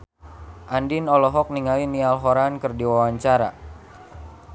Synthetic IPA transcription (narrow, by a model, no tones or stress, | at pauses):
ʔandinɔlɔɦɔk̚niŋalinialɦɔɾankɨrdiwawaɲt͡ʃaɾa̰